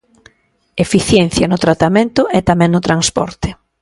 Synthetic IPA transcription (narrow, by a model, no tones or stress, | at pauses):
efiθjɛnθjɐnʊt̪ɾat̪amẽnt̪ʊʔɛt̪amɛ̃ŋnʊt̪ɾaŋspɔ̰ɾt̪ɪ